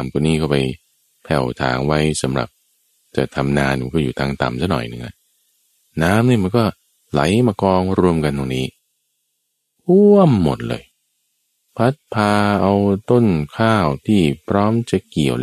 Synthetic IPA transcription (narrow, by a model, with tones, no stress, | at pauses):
mku˧nːiː˥˩kʰɔ˥˩pa˧j | pʰɛ˨˩wt̪ʰa̰ː˩˦ŋwa˦˥jsa˩˦mɾa̰˨˩p̚ | t͡ɕa˨˩t̪ʰa˧mnaː˧n˨˧kɔː˥˩juː˨˩t̪ʰaː˧ŋt̪a̰˨˩msa˥˩nɔ̰˨˩jnɯ˧˩ŋha̰˧˩ | naː˦˥mniː˥˩ma˧nkɔː˥˩ | la̰˩˦jmaː˧kɔː˧ŋɾu˧əmka˧nt̪o˧ŋniː˦˥ | ʔu˥əmːo̰˨˩t̪̚lɤ̰ː˧j | pʰa˦˥t̪̚pʰaː˧ʔa˧wt̪o˥˩nkʰaː˥˩wt̪ʰiː˥˩pʰɾɔː˦˥mt͡ɕa˨˩ki˨˩əw